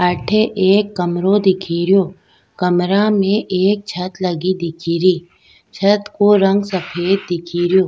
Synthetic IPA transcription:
əʈʰeʔeːkːəmɾod̪ɪkʰiːɾijoː | kɐmɾamẽʔeːk̚t͡ʃʰət̪ləɡid̪ɪkʰiːɾiː | t͡ʃʰət̪koɾə̃ŋɡsəpʰeːt̪̚d̪ɪkʰiːɾjoː

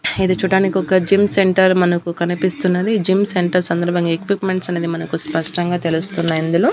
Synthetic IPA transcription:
ed̪eːt͡ʃuːɽaːnikiɔkɐd͡ʒimseɳʈɐɾmɐnɐkukɐnipist̪unːɐd̪id͡ʒimseɳʈɐɾsɐnd̪ɐɾbʱɐŋɡaːekʋipme̞ɳʈsɐneːd̪imɐnɐkuspɐʂʈɐŋɡaːt̪e̞lust̪unːaːjind̪uloː

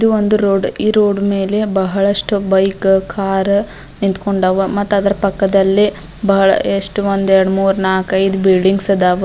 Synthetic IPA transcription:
id̪uond̪uɾoːɖiːɾoːɖme̞ːlebɐɦɐɭɐʂʈubɐjkkʰaːɾ | nint̪koɳɖaːʋɐmɐt̪ːaːd̪ɐɾɐpɐkːɐd̪ɐlːi | bɐɦɐɭɐ̰eʂʈuʋond̪uɛɾɐɽmuːɾnaːkɐjd̪ubilɖiŋɡsɐd̪aːʋɐ

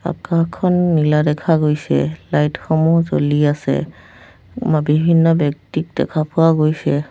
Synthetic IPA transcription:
a̰kakʰːɔnːiladɛkʰaɡojsɛ̰lajtxɔmɔzo̰liasɛ̰ | mabibʱinːɔbɔk̚tik̚dɛ̰kʰapʊwaɡojsɛ

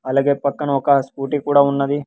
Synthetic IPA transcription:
ɐlaːɡe̞ːpɐkːɐnɐɔkɐspuːʈikuːɽaːunːɐd̪i

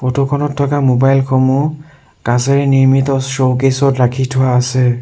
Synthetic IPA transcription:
pɔtʰokʰɔnɔtʰːɔkamobajlxʰɔmu | kãsɛɹɛniɹmitɔstɹokesɔtɹakʰitʰʊwaːsɛ

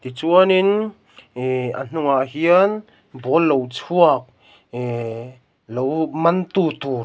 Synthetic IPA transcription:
t̪it͡suɐnin | ə̰n̥uŋaʔɦiən | bɔlːowt͡sʰuək̚ | lowmɐnt̪ut̪u

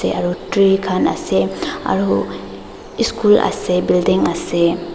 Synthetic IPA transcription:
eaɾuʈɾikʰana̰sea̰ɾu | iskula̰sebildiŋase

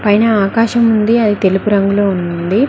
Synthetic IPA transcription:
pɐjnɐaːkaːʃɐmund̪iɐd̪it̪e̞lupuɾɐŋɡuloːunund̪i

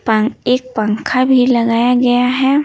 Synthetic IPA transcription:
paeːk̚pãŋkʰabʱilɐɡaːjaɡɐjaɦɛː

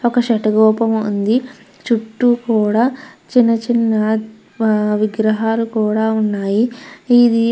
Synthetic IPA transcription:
ɔkɐʃɛʈɐɡɔːpɐmṵnd̪i | t͡ʃuʈːukuːɽaːt͡ʃinːɐt͡ʃinːɐ | ʋiɡɾɐɦaːlukuːɽaːunːaːjiid̪i

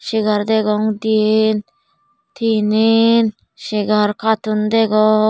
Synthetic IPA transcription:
ʃiɡaɾd̪ɛɡɔŋd̪jen | t̪ʰinen | ʃiɡaɾkat̪und̪ɛɡɔ

